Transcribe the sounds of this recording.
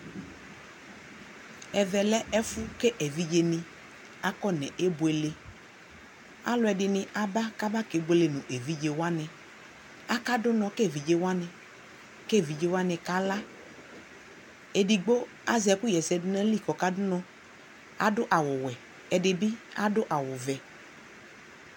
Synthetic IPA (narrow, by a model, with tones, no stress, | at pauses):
ɛ˨ðɛ˨lɛ˦ɛ˦fʊ˦kɛ˦ʔɛ˨vi˦d͡ʒe˦nɪ̃˨ | a˦kɔ˦nɛ̰̃˨ʔe˦bo˨e˨le˨ | a̰˦lʊ˦ɛ˨dɪ˨nɪ̃˨ʔa˨ba˦ka˦ba˦ke˨˦ɡ͡bo˦le˨nũ˨ʔe˨vi˦d͡ʒe˨wa˦nɛ̃˨ | a˦ka˦dʊ˦nɔ̃˨kɛ˦˨vi˨d͡ʒe˦wo˦a˦nɛ̃˨ | ke˦˨vi˨d͡ʒe˦wa˦nɛ̃˨ka˦la˦ | e˨di˨ɡ͡bo˦ | a˦zɛ˨ku˦jɛ˨zɛ˨dnɛ̃˦li˦˨kɔ˨ka˦dʊ˦nɔ̃˦ | a̰˦dʊ˦ʔa˨wʊ˨wɛ˨ | ɛ˨dɪ˨bi˦a˦dʊ˦ʔa˨wʊ˨vɛ˨